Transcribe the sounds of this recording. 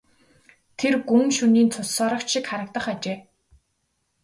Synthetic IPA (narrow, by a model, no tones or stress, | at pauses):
t̪ʰerɡumʃuniːnt͡sʰʊssɔːɾɞ̆kt͡ɕʃikχaɾə̆k̚t̪ə̆χat͡ɕeː